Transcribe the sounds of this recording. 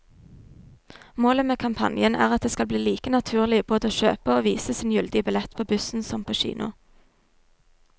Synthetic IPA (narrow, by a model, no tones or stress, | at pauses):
moːləmeːkʰɑmpʰɑ̰njənæ̰ːʁɑt̪̚d̪eːskɑlbliːliːkənɑt̪ʰʉːʁlɪb̥oːd̪əoːʃø̰ːpəoːʋiːsəsiːnjʉld̪ɪəbɪlɛt̪pʰoːbʉsn̩sɔmpʰoːʃḭːnʊ̰